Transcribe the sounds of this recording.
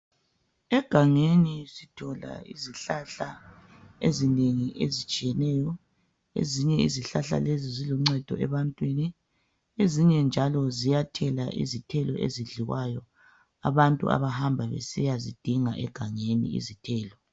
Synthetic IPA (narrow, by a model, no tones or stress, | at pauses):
ɛɡ̥ʱaŋenisitʰɔla̰iziɬaɬa | ezineŋiʔezit͡ʃʼijɛnɛːjɔ | ḛziɲɛiziɬaɬa̰leziziluŋ͡ǀɛd̥ʱɔ̰ʔɛβantʼwini | eziɲɛnd͡ʒʱalɔzijatʰɛlaʔḭzitʰɛlɔʔeziɮiwajɔ | a̰βantʼṵa̰βahambʱaβḛsijazid̥ʱiŋaʔɛɡ̥ʱaŋenḭḭzitʰɛːlɔ